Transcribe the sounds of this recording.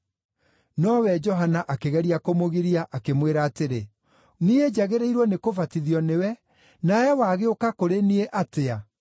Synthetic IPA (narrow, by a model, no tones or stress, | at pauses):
nɔwɛd͡ʒɔɦanaʔakeɣɛɾiakomoɣiɾiaʔakemweɾaːteɾe | nied͡ʑaɣeɾeiɾwɔnekovatiðiɔnewɛ | naɛwaːɣeokakoɾenieʔatea